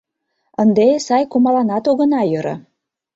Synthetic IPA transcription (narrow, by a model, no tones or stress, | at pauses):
ənd̪esɑjkumɑlɑnɑt̪oɣə̆nɑjɤ̆ɾɤ̰̆